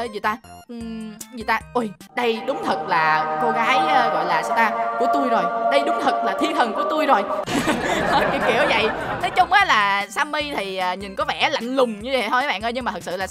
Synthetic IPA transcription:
zi˨˩t̪aː˧ʔzḭ˨˩t̪aː˧ʔu˧˩j | ɗə˧jɗʊ˨˦ŋ͡mt̪ʰə˨˩t̚laː˨˩ko˧ɣaː˨˦jːɣɔ̰˧˨jlaː˨˩sa˧˩wt̪aː˧ku˧˩ət̪u˧jzo˨˩jɗə˧jɗʊ˨˦ŋ͡mt̪ʰə˨˩t̚laː˨˩t̪ʰi˧t̪ʰə˨˩ŋku˧˩ət̪u˧jzo˨˩j | kḭ˧˩ki˧˩əwzə̰˧˨jnɔ˨˦jt͡ɕʊ˧ŋ͡mʔaː˨˦laː˨˩saː˧mːi˧t̪ʰi˨˩əː˨˩ɲi˨˩nkɔ˨˦vɛ̰˧˩la̰˧˨jŋ̟lʊ˨˩ŋ͡mɲɨ˧zə̰˨ɦɔ˧˩˨ɓa̰ː˧˨nʔəː˧jɲɨ˧maː˨˩t̪ʰə˩sɨ̰˧˨laː˨˩

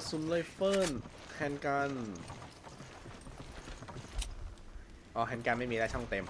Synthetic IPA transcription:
su˧˦nlɤ˧˩jfɤː˥˩n | kʰɛː˧nka˧n | ʔɔː˧˩kʰɛː˧nkaː˧nma˥˩jmiː˧lɛː˦˥˩t͡ɕʰɔ˥˩ŋt̪e˧m

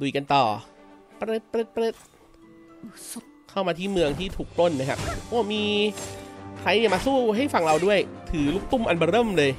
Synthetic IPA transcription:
du˨˩ka˧nt̪ɔː˨˩ | pɾe˦˥t̪̚pɾe˦˥t̚pɾe˦˥t̪̚ | kʰa˥˩wmaː˧t̪ʰiː˥˩mɯ˧əŋt̪ʰiː˥˩t̪ʰuː˨˩k̚plo˥˩nː˧˩kʰa˦˥p̚ʔoː˧˥˩miː˧ | kʰɾa˧jni˧˩maː˧suː˥˩ɦa˥˩jfa˨˩ŋɾa˧wdu˥˩əjt̪ʰɯː˩˦lu˦˥˩k̚t̪u˥˩mʔa˧nbɔː˧ɾɤː˥˩mlɤː˧j

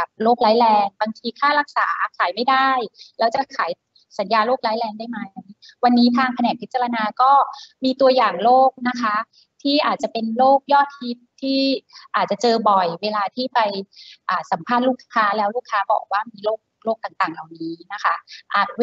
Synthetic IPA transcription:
ka˨˩p̚loː˥˩k̚laː˦˥jlɛː˧ŋba˧ŋt̪ʰiː˧kʰaː˥˩la˦˥k̚sa̰ː˩˦kʰaː˩˦jma˥˩jda˥˩jlɛː˦˥wt͡ɕa˨˩kʰaː˩˦j | sa˨˩˦njaː˧loː˥˩k̚laː˦˥jlɛː˧ŋdaː˥˩jma˦˥ji˦˥ | wa˧nːiː˦˥t̪ʰaː˧ŋpʰa˧nɛː˨˩k̚ʰi˦˥t̪̚t͡ɕa˧la˧naː˧kɔː˥˩miː˧t̪u˧ɐjaː˨˩ŋloː˥˩k̚na˦˥kʰa˦˥ | t̪ʰiː˥˩ʔaː˨˩t̪̚t͡ɕa˨˩pe˧nloː˥˩k̚jɔː˥˩t̪̚hi˦˥p̚t̪ʰiː˥˩ʔaː˨˩t̪̚t͡ɕa˨˩t͡ɕɤː˧bɔ˨˩jweː˧laː˧t̪ʰiː˥˩pa˧jʔaː˨˩sa˩˦mpʰaː˥˩t̪̚luː˥˩kʰːaː˦˥lɛː˦˥wluː˥˩kʰːaː˦˥bɔ̰ː˨˩k̚waː˥˩miː˧loː˥˩k̚loː˥˩k̚t̪aː˨˩ŋt̪aː˨˩ŋla˨˩wniː˦˥na˦˥kʰa˦˥ʔaː˨˩t̪̚

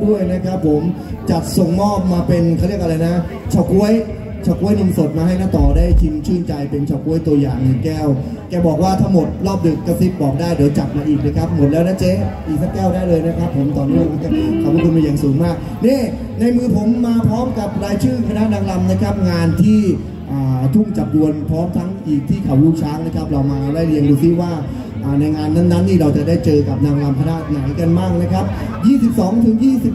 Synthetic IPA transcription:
du˥˩əjna˦˥kʰa˦˥pʰːo˩˦m | t͡ɕa˨˩t̪̚so˨˩ŋmɔː˥˩p̚maː˧pe˧nkʰa˥˩ɾi˥˩ək̚ʔa˧la˧jna˦˥ | t͡ɕʰa˨˩wku˦˥əj | t͡ɕʰaː˨˩ku˦˥əjni˧nso˨˩t̪̚maː˧ɦa˥˩jnaː˥˩t̪ɔː˨˩daː˥˩jt̪ʰi˧mt͡ɕʰɯː˥˩nt͡ɕa˧jpe˧nt͡ɕʰa˨˩wku˧˦˥əjt̪u˧ɐjaː˨˩ŋjɯː˨˩kɛː˥˩w | kɛː˧bɔː˨˩k̚waː˥˩t̪ʰa˦˥ŋmo˨˩t̪̚lɔː˥˩p̚dɯ˨˩kːa˥˩si˦˥p̪̚bɔː˨˩k̚daː˥˩jdiː˩˦wt͡ɕa˨˩t̪̚maː˧ʔiː˨˩k̚lɤː˧jkʰa˦˥p̚mo˨˩t̪̚lɛː˦˥wnaː˦˥˩t͡ɕeː˦˥ʔiː˨˩sʰa˥˩kɛː˥˩wdaː˥˩jlɤː˧jna˦˥kʰɾa˦˥pʰːo˩˦mt̪ɔː˨˩nːiː˦˥˧kːka˥˩kʰa˧mʰkuː˥˩kʰu˧mi˧jaː˨˩ŋsuː˩˦ŋmaː˥˩k̚ | nɛː˥˩ | na˧jmɯː˧pʰo˩˦mːaː˧pʰɾɔː˦˥mka˨˩p̚ɾaː˧jt͡ɕʰɯː˥˩ŋkʰa˧na˦˥ʔnaː˧ŋla˧mna˦˥kʰɾa˦˥p̚ŋaː˧nt̪ʰiː˥˩ | ʔaː˨˩t̪ʰu˥˩ŋt͡ɕa˨˩p̚du˧ənpʰɾɔː˦˥mt̪ʰa˦˥ŋʔiː˨˩k̚t̪ʰiː˥˩kʰa˨˩wɾuː˥˩k̚t͡ɕʰaː˦˥ŋ̚na˦˥kʰa˦˥p̚ɾa˧wmaː˧ɾa˧wdaː˥˩jli˧əŋduː˧si˦˥waː˥˩ | ʔaː˨˩na˧jŋaː˧nːa˦˥˩nːa˦˥nːiː˥˩ɾa˧wt͡ɕa˨˩daː˥˩jt͡ɕɤː˧ka˨˩p̚naː˧ŋla˧mkʰa˧naː˥˩t̪̚na˩˦jka˧nmaː˥˩k̚na˦˥kʰa˦˥p̚ | jiː˥˩si˨˩p̚sɔː˩˦ŋt̪ʰɯ˩˦ŋjiː˥˩si˨˩p̚

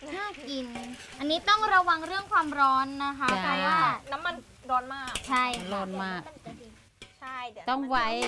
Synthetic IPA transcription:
ɯ˥˩ki˧n | ʔa˧nːiː˦˥t̪ɔ˥˩ŋɾa˧wa˧ŋɾɯ˥˩əŋkʰwaː˧mɾɔː˦˥nːa˦˥kʰa˦˥aa˧waː˩˥˩na˦˥mːa˧˩n | ɾɔː˦˧nmaː˥˩k̚t͡ɕʰa˥˩jlɔː˧nmaː˥˩k | t̪ɔ˥˩ŋwa˦˥j

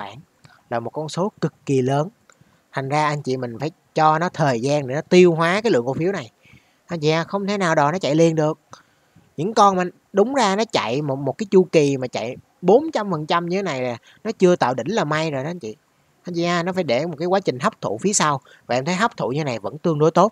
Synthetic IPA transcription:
ɓa̰ː˧˩˨n | laː˨˩mo˨˩t̚kɔ˧nso˨˦kɨ˨˩kːi˨˩ləː˨˦n | t̪ʰa˨˩ŋ̟zaː˧ʔa˧nt͡ɕḭ˧˨mï̟˨˩faː˧˩jt͡ɕɔ˧nɔ˨˦t̪ʰəː˨˩jzaː˧nɗe˨˩nɔ˨˦t̪i˧əwɦwaː˨˦kaː˨˦jlɨ̰˧˨əŋku˧˩fi˨˦əwna˨˩j | t̪ʰa˨˩ŋi˧aː˧xə˧wŋ͡mt̪ʰe˨˦naː˨˩wɗɔ˨˩nɔ˨˦t͡ɕa̰˧˨jli˨˩ənɗɨ˨˩ək̚ | ɲɨ̰˧˥ŋkɔ˧nmaː˨˩ | ɗʊ˨˦ŋ͡mzaː˧nɔ˨˦t͡ɕa̰˧˨jmo˨˩t̚mo˨˩t̚kaː˨˦jt͡ɕu˧ki˨˩maː˨˩t͡ɕa̰˧˨j | ɓo˨˦nt͡ɕa˧mfə˨˩nt͡ɕa˧mɲɨ˧t̪ʰe˨˦na˨˩jlaː˨˩ | nɔ˨˦t͡ɕɨ˧ət̪a̰ː˧˨wɗï˧˥ŋ̟laː˨˩ma˧jzo˨˩jaː˧n̟t͡ɕḭ˧˨ | t̪ʰa˨˧˩ŋi˧˨ʔaː˧nɔ˨˦faː˧˩jɗe˧˩m˨˩t̚kaː˨˦jkwːt͡ɕï˨˩ŋ̟ɦa˦˥p̚t̪ʰṵ˧˨fi˨˦əsa˧w | vaː˨˩ʔɛ˧mt̪ʰə˨˦jɦa˦˥p̚t̪ʰṵ˧˨ɲɨ˧e˦na˨˩jvə̰˧˥nt̪ɨ˧əŋɗo˧˦jt̪o˦˥t̚

